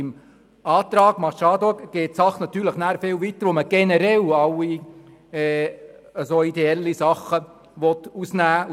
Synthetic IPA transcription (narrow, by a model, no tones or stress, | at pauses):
ɪm | ɑːt̪ɾɑːɡ̥mɑʃɑːd̪ɔkɡ̥eːt̚sɑχnɑt̪yːɾləχnæːɾfɪwʋit̪ːəɾʋoməɡ̥ɛnəɾɛlɑwi | ɛəsoid̪eɛlːisɑχːə | ʋɔt̪usnæː